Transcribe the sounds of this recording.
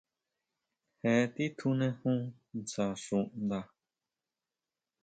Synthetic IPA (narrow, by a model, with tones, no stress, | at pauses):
he˨˦˧t̪i˦t̪ʰu˧nẽ˧hũ˦ | nt͡sa˨ʂũ˧˨ʔnd̪a˧